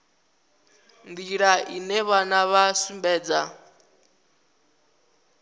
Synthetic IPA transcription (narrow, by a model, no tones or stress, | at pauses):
nd̪iɺaʔinɛβanaβasumbɛːd͡za̰